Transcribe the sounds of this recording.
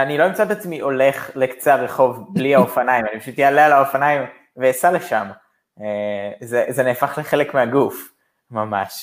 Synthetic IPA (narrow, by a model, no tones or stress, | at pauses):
aniloimt͡sat̪at͡smiʔo̞le̞χlekt͡seaʁe̞χo̞vbliaofanajimanipaʃut̪jealealaofanaim | vejasaleʃam | ezezeneːfaχle̞χe̞le̞kmeaɡuf | mamaʃ